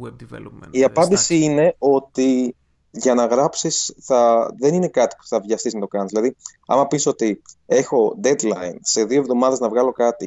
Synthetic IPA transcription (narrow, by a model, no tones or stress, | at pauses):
iɐpɐnd̪isiine̞o̞t̪i | ʝɐnɐɣɾɐpsisθɐðe̞nine̞kɐt̪i̥pu̥θɐvʝɐst̪iznɐt̪o̞kɐniszðilɐðiɐ̰mɐpiso̞t̪ie̞xo̞d̪ed̪lɐinse̞ðio̞e̞vðo̞mɐðeznɐvɣɐlo̞kɐt̪i